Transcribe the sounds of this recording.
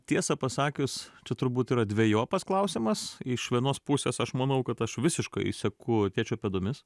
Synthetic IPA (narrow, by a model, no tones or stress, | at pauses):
t̪ʲiɛsɐpɐsɑːkʲʊst͡ʃʲɛt̪ʊɾbuːt̪iːɾɐd̪ʲʋʲɛjoːpɐsklˠɐʊsʲɪmɐsɪʃʋʲiɛnoːspʊsʲeːsɐʃmɐnɐʊkɐt̪ɐʃʋʲɪsʲɪʃkɐɪsʲɛkʊt̪ʲeːt͡ʃʲɛːpʲɛd̪oːmʲɪs